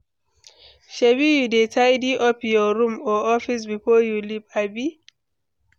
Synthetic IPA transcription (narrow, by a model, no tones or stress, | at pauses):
ʃebijudetʰajdiʔɔpjɔɾũmɔɔfis̬bifɔjulipabi